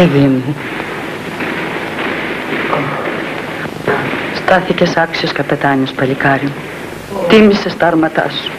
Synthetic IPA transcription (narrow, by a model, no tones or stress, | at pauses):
ivimu | st̪ɐθicesɐksioskɐpet̪ɐɲospɐlikɐɾio | t̪imisest̪ɐɾmɐt̪ɐ̰su̥